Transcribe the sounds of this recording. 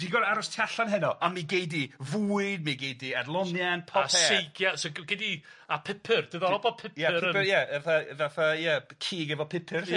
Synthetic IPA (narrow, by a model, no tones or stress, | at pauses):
d̥iɡɔdaɾʊstʰjaɬanɦɛnɔʔamiɡejdivuːɨdmiɡejdiadlˠɔnjanpʰɔsɛejɡʰjasɔɡɪdi | apʰɪpʰɨrd̥ɨðɔɔbɔpʰɪpjajaaθaðaθajəkʰiːɡɛvɔpʰɪpʰɪr